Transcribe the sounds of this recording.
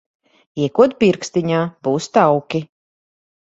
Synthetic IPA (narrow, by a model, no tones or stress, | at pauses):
iɛkuɔt̪̚pʲiɾkst̪iɲaːb̥uːst̪awkʲi